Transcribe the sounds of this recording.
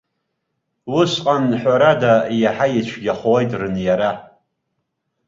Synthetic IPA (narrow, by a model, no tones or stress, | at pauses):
wʊsqʼanħʷaɾadajaħajɪt͡ʃʷʰɡʲaχowajtʼrɨnjaɾa